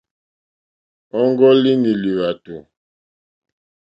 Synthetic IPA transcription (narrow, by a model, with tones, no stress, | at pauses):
ɔ˦ŋɡɔ˦li˦ni˨li˨βa˨tu˨